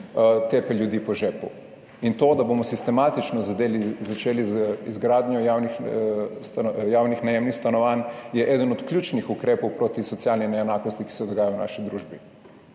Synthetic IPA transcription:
t̪eːpɛljud̪iːpɔʒeːpṵ | int̪oːd̪abomɔsist̪ɛmat̪it͡ʃnɔzad̪elizat͡ʃeːliizɡɾaːd̪ɲɔjawnixst̪jaːwnixnɛjemnixst̪anɔʋanjɛʔɛːd̪ənɔt̪kljuːt͡ʃnixukɾeːpowpɾoːt̪isɔt̪sialninɛɛnaːkost̪iki̥sɛd̪ɔɡaːjajowna̰ːʃid̪ɾuːʒbi

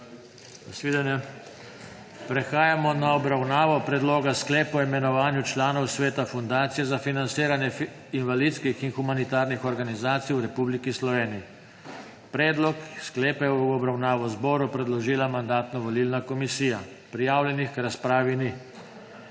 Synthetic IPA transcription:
asʋiːd̪anjɛ | pɾɛxaːjamɔnaɔbɾawnaːʋɔpɾɛd̪loːɡasklɛːpɔimɛnɔʋaːnjut͡ʃlaːnɔwsʋeːt̪afund̪aːt̪sijɛzafinant̪siːɾanjɛ | inʋalit̪skixinxumanit̪aːɾnixɔɾɡanizaːt̪sijwɾɛpublikislɔʋeːniji | pɾɛːd̪lɔksklɛːpɛwɔbɾawnaːʋɔzbɔːɾupɾɛd̪lɔʒiːlamand̪aːt̪nɔʋɔlilnakɔmisiːja | pɾijaːwlʲjɛnixkɾaspɾaːʋini

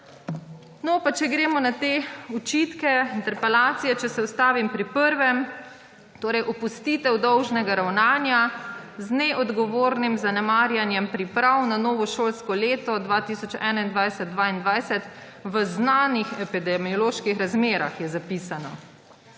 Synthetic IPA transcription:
nɔpat͡ʃɛɡɾeːmɔnat̪eːut͡ʃit̪kɛint̪ɛɾpɛlaːt̪sijɛt͡ʃɛsɛust̪aːʋimpɾipəɾʋɛm | t̪oːɾɛjʔɔpust̪iːt̪ɛwd̪ɔwʒnɛɡaɾawnaːnjaznɛʔɔd̪ɡɔʋoːɾnimzanɛmaːɾjanjɛmpɾipɾawnanɔːʋɔʃoːlskɔleːt̪ɔd̪ʋaːt̪iːsɔt͡ʃɛ̰ːnaind̪ʋajsɛd̪̚d̪ʋaːind̪ʋajsɛt̪ | ʋəznaːnixɛpid̪ɛmiɔloːʃkixɾazmeːɾa̰xjɛzapisanɔ̰

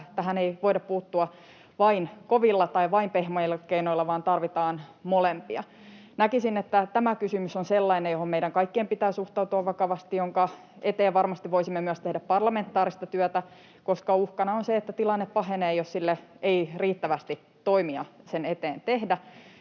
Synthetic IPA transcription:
t̪ːæɦæneiʋoidɑppuːt̪ːuɑ | ʋɑinkoʋilːɑt̪ɑiʋɑimpehmojilːɑkeinoilːɑʋɑːnt̪ɑrʋit̪ɑːnmolempiɑ̰ | nækisinet̪ːæt̪æmækysymysonselːɑinejjohommeiɾæŋkɑikːiempit̪æːsuht̪ɑut̪uɑʋʋɑkɑʋɑst̪ijoŋkɑ | et̪eːʋʋɑrmɑst̪iʋʋoisimːemyœst̪ehdæppɑrlɑment̪ːˑɑːɾist̪ɑt̪yœt̪æ | koskɑuhkɑnɑonseet̪ːæt̪ilɑnːeppɑɦeneːjossilːeeiriːt̪ːæʋæst̪i | t̪oimiɑsenet̪eːnt̪ehdæ

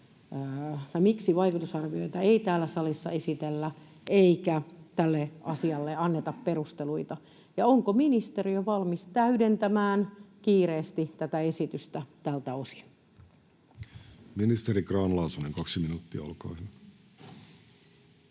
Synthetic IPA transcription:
j̪ɑmiksiʋɑikut̪usɑrʋioit̪ɑeit̪æːlːæsɑlisːɑ̰esit̪elːæ | eikæt̪ælːeʔɑ̰siɑlːeɑnːet̪ɑpperust̪eluit̪ɑ | jɑoŋkominist̪eriøʋɑlmist̪æydent̪æmæːnkiːreːst̪it̪æt̪æesit̪yst̪æt̪ælt̪æosi̥n | minist̪eɾikrɑːnlɑusuneŋkɑksiminuːt̪ːiɑ̰ɑ̰lko̰ihin

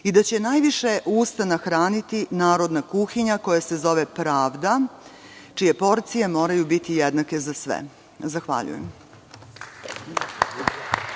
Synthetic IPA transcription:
id̪at͡ɕe̞najʋiʃe̞ʔuːst̪anaxɾaːnit̪inaːɾo̞d̪nakuxiɲako̞jase̞zo̞ʋepɾaːʋd̪a | t͡ʃije̞po̞ɾt̪sije̞mo̞ːɾajubit̪ijed̪nake̞zasʋɛ̰ | zaxʋa̰ʎṵjḛm

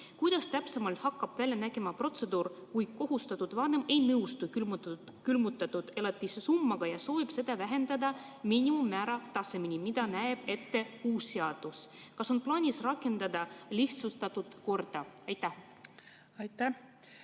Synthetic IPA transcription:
kujd̪̥ɑst̪æpse̞mɑlt̪hɑkːɑb̥vælʲjɑnæɡ̥emɑpro̞t̪se̞d̪uːrkujko̞ɦust̪ɑt̪ːˑud̪vɑne̞me̞jnɤwst̪uk | kylmut̪ːˑɑt̪ːud̪̥e̞lɑt̪ːˑisesumːɑɡ̥ɑjɑso̞ːvib̥se̞d̪̥ɑvæɦe̞nd̪̥ɑd̪ɑ | miːnimumːæːɾɑt̪ɑse̞minimid̪̥ɑnæeb̥e̞t̪ːe̞uːsːeɑd̪̥uskɑso̞nplɑːnʲisrɑkːˑe̞nd̪̥ɑd̪ɑliht̪sust̪ɑt̪ːud̪̥ko̞rd̪̥ɑɑjt̪ːæh | ɑjt̪ːæ

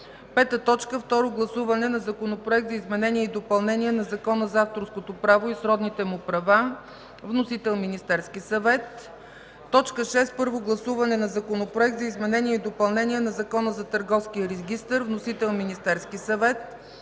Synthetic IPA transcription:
pɛt̪ət̪ɔt͡ʃkəft̪ɔɾoɡlˠɐsuvɐnɛnɐzɐkonopɾoɛk̚t̪zəizmɛnɛniəid̪opɐlˠnɛnʲiɛnɐzɐkɔnəzaft̪oɾskot̪opɾavoisɾɔd̪nit̪ɛmʊpɾɐva | vnosit̪ɛlˠminist̪ɛɾskisɐvɛt̪ː | ɔt͡ʃkəʃɛst̪pɤɾvoɡlˠɐsuvɐnɛnɐzɐkonopɾoɛk̚t̪zɐizmɛnɛniəid̪opɐlˠnɛniɛnɐzɐkɔnəzɐt̪əɾɡɔfsk̟ijəɾɛɡʲist̪əɾvnosit̪ɛlˠminist̪ɛɾskisɐvɛt̪̚

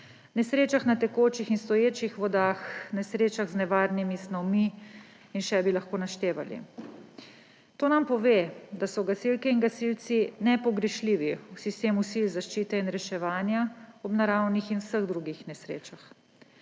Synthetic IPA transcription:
nɛsɾeːt͡ʃaxnat̪ɛkot͡ʃixinst̪ɔjeːt͡ʃixʋɔd̪axnɛsɾeːt͡ʃaɣznɛʋaːɾnimisnɔwmi | inʃɛbilaxkoːnaʃt̪eːʋa̰lḭ | t̪oːnampɔʋeːd̪asɔɡasilkɛinɡasilt̪sinɛpɔɡɾɛʃliːʋiwsist̪eːmusilzaʃt͡ʃiːt̪ɛinɾɛʃɛʋaːnjaɔbnaɾawnixinwsəɣd̪ɾuɡixnɛsɾeːt͡ʃax

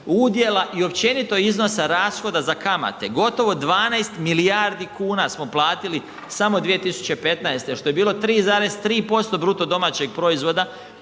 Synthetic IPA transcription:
ud̪je̞lˠaʔio̞pt͡ɕe̞nit̪o̞izno̞saɾaːsxo̞d̪azakama̰t̪e̞ɡo̞t̪o̞ʋo̞d̪ʋaːnajst̪milijaɾd̪ikuːnasmo̞plˠaːt̪ili | samo̞d̪ʋije̞t̪isu̥t͡ɕepe̞t̪naest̪eʃt̪o̞je̞biːlo̞t̪ɾiːzaːɾe̞st̪ɾiːpo̞st̪o̞bɾut̪o̞d̪o̞mat͡ɕe̞ɡ̚pɾo̞izʋo̞d̪a

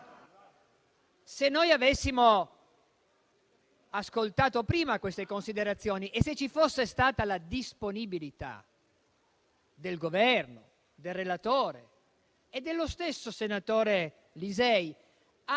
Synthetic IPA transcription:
senːojavesːimo | askolt̪aːt̪opɾiːmakwest̪ekonsid̪eɾat̪sːjoːniʔeset͡ʃːifosːest̪aːt̪alad̪isponibilit̪a̰ | d̪elɡovɛrno | d̪elrelat̪oːɾe | ed̪ːelːost̪esːosenat̪oːɾe | lizɛj | a

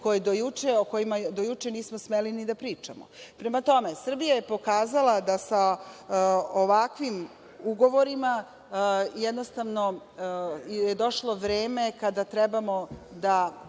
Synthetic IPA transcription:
ko̞jed̪ojut͡ʃeoko̞jimad̪ojut͡ʂe̞niːsmosmelinid̪apɾiːt͡ʂa̰mo̰pɾe̞mat̪o̞me̞sr̩bijaje̞po̞kaːzalad̪asa | oʋakʋim | uɡo̞ʋo̞ɾima | jɛd̪nost̪aʋno̞ | jed̪o̞ʃlˠo̞ʋɾeːme̞kad̪at̪ɾɛbamo̞d̪a

